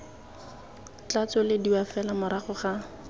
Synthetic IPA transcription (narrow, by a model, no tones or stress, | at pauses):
t͡ɬat͡sɔlɪdiwafɛlamʊɾaχʊχa